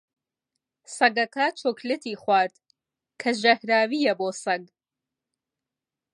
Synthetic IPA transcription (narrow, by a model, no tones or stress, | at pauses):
sɐɡɐkɐt͡ʃʰoklɨt̪iːχwaːɾd̪ | kʰɐʒɐhɾaːwijɛboːsɐɡ